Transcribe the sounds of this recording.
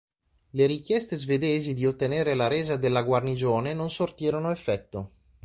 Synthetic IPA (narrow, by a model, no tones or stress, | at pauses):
leɾikjɛst̪ezved̪eːzid̪iot̪ːeneːɾelaɾeːzad̪elːaɡwarnid͡ʒoːnenonsort̪iːɾonoefːɛt̪ːo